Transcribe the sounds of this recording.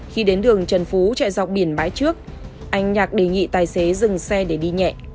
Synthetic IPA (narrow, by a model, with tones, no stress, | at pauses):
xi˧ɗe˨˦nɗɨ˨˩əŋt͡ɕə˨˩nfu˨˦t͡ɕɛ̰˧˨jza˨˩wk͡p̚ɓi˧˩ənɓaː˨˦jt͡ɕɨ˦˥ək̚ | ʔa˧jŋ̟ɲaː˨˩k̚ɗe˨˩ŋḭ˧˨t̪aː˨˩jse˨˦zɨ˨˩ŋsɛ˧ɗe˧˩ɗi˧ɲɛ̰˧˨ʔ